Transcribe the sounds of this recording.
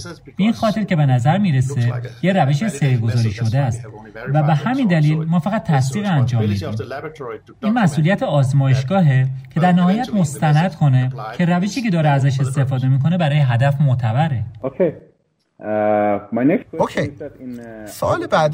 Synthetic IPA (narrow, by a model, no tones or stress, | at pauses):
b̥einxɒːt̪ʰe̞ɾce̞be̞næzæɾmiːɾese̞jeɾæveʃeseɾɡo̞zɒːɾiːʃo̞d̪eæst̪ | væbehæmind̪æliːlmɒːfæɣæt̪̚t̪ʰːæsd̪iːɣiænd͡ʒɒːmːiːd̪ḭːm | ʔiːnmæsʔuːlijæt̪ʰeɒːzmɒːje̞ʃɡɒːɦecʰe̞d̪æɾnæhɒːjæt̪ʰmo̞st̪ænæd̪̥kʰo̞ne̞cʰe̞ɾæveʃiːcʰe̞d̪ɒːɾeæzæʃ̬e̞st̪e̞fɒːd̪e̞miːkʰo̞ne̞bæɾɒːjeɦæd̪æfmot̪ʰæbæɾeokʰe | maneokʰej | soɒːlebæd̪